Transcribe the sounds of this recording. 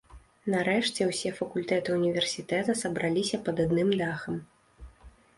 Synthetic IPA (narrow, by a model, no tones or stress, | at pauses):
nɐɾɛʂt͡sʲɛwsʲɛfɐkulʲt̪ɛt̪ɨunʲivʲɛrsʲit̪ɛt̪ɐsɐbɾalʲisʲɐpɐd̪ad̪nɨmd̪axɐm